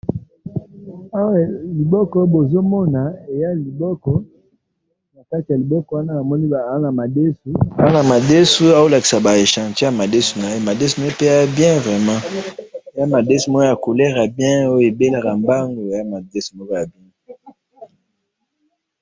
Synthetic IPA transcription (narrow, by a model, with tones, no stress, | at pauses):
a˦wli˨bɔ˦kɔ˦bo˨zo˦mɔ˦na˨e˨ja˦li˨bɔ˦kɔ˦ | na˨ka˦ti˨a˨li˨bɔ˦kɔ˨wa˦na˦a˨mɔ˦ni˦˨˦na˨ma˨de˦su˦a˦a˦na˨ma˨de˦su˦a˨o˦la˨ki˨sa˨ba˨e˨ʃã˨te˦ja˨ma˨de˦su˨na˨je˦ma˨de˦su˦mo˦e˦pe˦a˦bjɛ̃˦vʁɛ˨mã˦e˨ja˦ma˨de˦su˦m˦o˦ja˨ko˨lɛ˦ʁa˨bjɛ̃˦o˦je˨be˦la˨ka˨mba˦ŋɡo˨e˨ja˦ma˨de˦su˨mo˦ja˨bjɛ̃˦